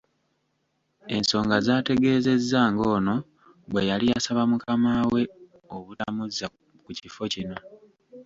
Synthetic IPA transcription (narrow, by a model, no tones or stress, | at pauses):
e̞nso̞ːŋɡazaːte̞ɡe̞ːze̞zːaːŋɡo̞ːno̞ | βwe̞jalijasaβamukʰamawe̞ | o̞βulamuza | kucifo̞cino̞